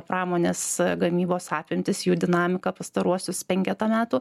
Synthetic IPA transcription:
pɾɑːmoːnʲeːsɡɐmʲiːboːsɑːpʲɪmʲt̪ʲɪsjuːd̪ʲɪnɑːmʲɪkɐpɐst̪ɐɾuɔsʲʊspʲɛŋʲkʲɛt̪ɐmʲæːt̪uː

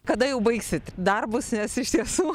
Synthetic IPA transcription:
kɐd̪ɐjɛʊbɐɪksʲɪt̪d̪ɐrbʊsnʲɛsɪʃt̪ʲiɛsuː

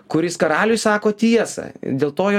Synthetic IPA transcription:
kʊɾʲɪskɐɾɑːlʲʊjsɑːkoːt̪ʲiɛsɐ̰ɪ̰d̪ʲeːlˠt̪oːjo

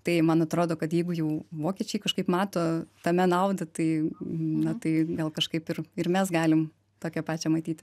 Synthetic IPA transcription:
t̪ɐɪmɐnɐt̪ɾoːd̪oːkɐt̪jɛɪɡʊjɛʊʋoːkʲɛt͡ʃʲɛɪkɐʃkɐɪpmɑːt̪oːt̪ɐmʲɛnɐʊd̪ɐt̪ɐɪnɐt̪ɐɪɡɐlˠkɐʃkɐɪpɪrɪrmʲɛsɡɑːlʲɪm | t̪oːkʲɛpɑːt͡ʃʲɛmɐt̪ʲiːt̪ʲ

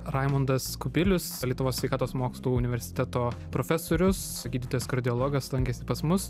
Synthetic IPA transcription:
ɾɑɪmond̪ɐskʊbʲɪlʲʊslʲiɛt̪ʊʋoːsʲʋʲɛɪkɑːt̪oːsmoːkslˠuːʊnʲɪʋʲɛɾʲsʲɪ̥t̪ʲɛt̪oːpɾoːfʲɛsoːɾʲʊs | ɡʲiːd̪ʲɪt̪oːjɛskɐɾʲd̪ʲɪolˠoːɡɐslˠɐŋʲkʲɛsʲɪpɐsmʊs

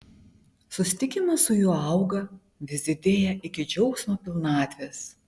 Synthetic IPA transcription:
sʊsʲɪt̪ʲɪkʲɪmɐsʊjuːɐˑʊɡɐ | ʋʲɪzʲɪd̪ʲeːjɛʔɪkʲɪd͡ʒʲɛʊksʲmʲoːpʲɪlˠnɑːt̪ʲʋʲeːs

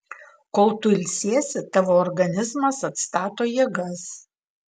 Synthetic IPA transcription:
kɔlˠt̪ʊɪlʲsʲiɛsʲɪt̪ɑʋoːɔɾɡɐnʲɪzmɐsɐt̪st̪ɑːt̪oːjiɛɡɐs

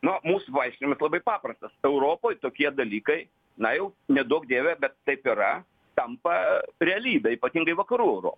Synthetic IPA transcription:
nʊmuːsʊʋɐɪʃʲkʲɪnʲɪmɐslˠɐbɐɪpɑːpɾɐst̪ɐsɛʊɾoːpoːjt̪oːkʲiɛd̪ɐlʲiːkɐɪ | nɐjɛʊnʲɛd̪uɔkd̪ʲeːʋʲɛbʲɛt̪t̪ːɐɪpɪɾɐ | t̪ɐmpɐɾʲɛɐlʲiːbʲɛiːpɐt̪ʲiŋɡɐɪʋɐkɐɾuːɛʊɾo̰ːp

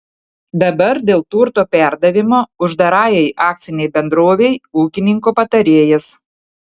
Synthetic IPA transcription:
d̪ɐbɐɾd̪ʲeːlˠt̪uɾt̪oːpʲæˑɾd̪ɐʋʲɪmoːʊʒd̪ɐɾɑːjɛɪʔɑːk̚t̪sʲɪnʲɛɪbʲɛnd̪ɾoːʋʲɛjuːkʲɪnʲɪŋkoːpɐt̪ɐɾʲeːjɛs

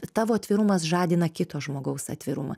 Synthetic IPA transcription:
t̪ɑːʋoːɐt̪ʲʋʲɪɾʊmɐsʒɑːd̪ʲɪnɐkʲɪt̪oːʒmoːɡɐʊsɐ̰t̪ʲʋʲɪɾʊmɐ̰

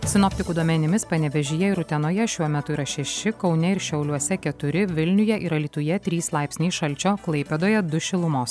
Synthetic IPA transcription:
sʲɪnɔpʲt̪ʲɪkuːd̪uɔmʲɛnʲɪmʲɪspɐnʲɛʋʲɛʒʲɪjɛɪɾʊt̪ʲɛnoːjɛʃʲuɔmʲɛt̪ʊiːɾɐʃʲɛʃʲɪkɒʊnʲɛɪɾʃʲɛʊlʲuɔsʲɛkʲɛt̪ʊɾʲɪʋʲɪlʲnʲʊjɛʔiɾɐlʲiːt̪ʊjɛt̪ʲɾʲiːslˠɑˑɪpʲsʲnʲiːʃɐlʲt͡ʃʲoːklˠɐɪpʲeːd̪oːjɛd̪ʊʃʲɪlˠʊmoːs

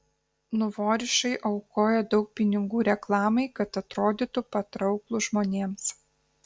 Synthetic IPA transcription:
nʊʋoːɾʲɪʃɐɪʔɐʊkoːjɛd̪ɒʊk̚pʲɪnʲɪŋɡuːɾʲɛklˠɑːmɐɪkɐt̪ɐt̪ɾoːd̪ʲɪt̪ʊpɐt̪ɾɒʊklˠʊʒmoːnʲeːms

